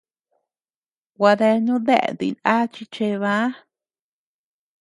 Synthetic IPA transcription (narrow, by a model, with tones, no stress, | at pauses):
wa˧ðe˧ɲũ˦ðḛ˦˨d̪ḭ˧na˦t͡ʃi˧t͡ʃe˧βã˦